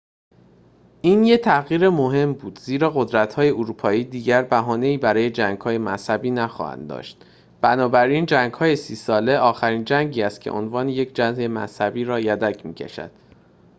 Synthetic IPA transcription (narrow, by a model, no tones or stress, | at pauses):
ʔiːnjet̪ʰæɣiːɾemo̞ɦe̞mbuːd̪ziːɾɒːɣod̪ɾæt̪hɒːje̞oɾuːpʰɒːiːd̪iːɟæɾbæɦɒːne̞iːbæɾɒːje̞d͡ʒæŋɡ̥hɒːje̞mæshæbiːnæxɒ̰ːhæ̰nd̪d̪ɒ̰ːʃt̪ | b̥ænɒːbæɾiːnd͡ʒæŋɡhɒːje̞siːsɒːle̞ʔɒːxæɾiːnd͡ʒæŋɟiːæst̪̚cʰe̞̰ʔo̰nvɒːneje̞cʰd͡ʒænzemæ̰shæbiːɾɒːjæd̪æcʰmiːcʰḛʃæ̰d̪̥